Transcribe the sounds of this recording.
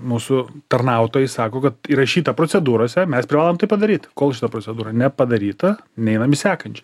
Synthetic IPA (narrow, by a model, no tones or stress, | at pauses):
muːsʊt̪ɐrnɐˑʊt̪oːjɛɪsɑːkoːkɐt̪iːɾɐʃʲiːt̪ɐpɾoːt͡s̪ʲɛd̪uːɾoːsʲɛmʲɛspʲɾʲɪʋɑːlˠoːmt̪ɐɪpɐd̪ɐɾʲiːt̪koːlˠʃʲɪt̪ɐpɾoːt͡s̪ʲɛd̪uːɾɐnʲɛpɐd̪ɐɾʲiːt̪ɐnʲɛɪnɐmʲɪsʲæːkɐnʲt͡ʃʲɛ